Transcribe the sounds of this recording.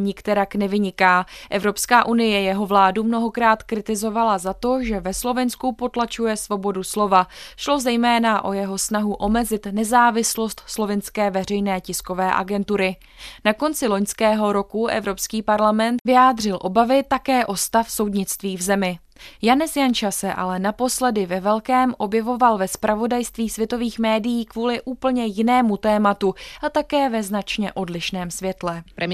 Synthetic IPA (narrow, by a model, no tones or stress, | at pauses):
ɲɪkt̪ɛɾaknɛvɪɲɪkaːʔɛvɾo̞pskaːʔunɪjɛjɛɦo̞vlaːdumno̞ɦo̞kɾaːt̪kɾɪt̪ɪzo̞valazat̪o̞ʒɛvɛslo̞vɛnskupo̞t̪lat͡ʃujɛsvo̞bo̞duslo̞vaʃlo̞zɛjmɛːnaʔo̞jɛɦo̞snaɦuʔo̞mɛzɪt̪nɛzaːvɪslo̞st̪slo̞vɪnskɛːvɛr̝ɛjnɛːcɪsko̞vɛːʔa̰ɡɛnt̪uɾɪ | nako̞nt͡sɪlo̞ɲskɛːɦo̞ɾo̞kuʔɛ̰vɾo̞pskiːpaɾlamɛnt̪vɪjaːd̪r̝ɪlʔo̞bavɪt̪akɛːʔo̞st̪afso̞wdɲɪt͡st̪viːvzɛmɪ | janɛsjant͡ʃasɛʔa̰lɛnapo̞slɛdɪvɛvɛlkɛːmʔo̞bjɛvo̞valvɛspɾʔavo̞dajst̪viːsvjɛt̪o̞viːxmɛːdɪjiːkvuːlɪʔuːpl̩ɲɛjɪnɛːmut̪ɛːmat̪uʔat̪akɛːvɛznat͡ʃɲɛʔo̞dlɪʃnɛːmsvjɛt̪lɛ